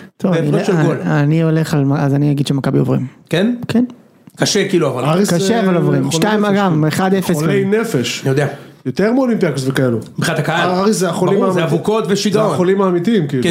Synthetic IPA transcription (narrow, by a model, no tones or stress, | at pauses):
t̪ovniʃloaniole̞χalmaazaniaɡid̪ʃemakabiovʁḭmkenkʰen | kaʃekiːluavalaʁiskʃeavalovʁimʃtaimaɡameχad̪efesoklenefeʃjod̪ea | jot̪eʁmolimpakosvekaelumbχinat̪akaaaʁiszeaχolimaavukot̪veʃidχolimaːmit̪iimkiːl